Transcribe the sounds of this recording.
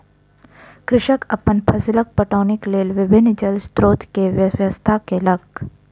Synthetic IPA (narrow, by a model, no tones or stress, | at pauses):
kɾɪʃəkɐpːənpʰɐsɪlək̚pɐʈoːnɪkleːlʋɪbʱɪnːd͡ʒəlst̪ɾoːt̪keʋjəjəst̪ʰakelɐɡ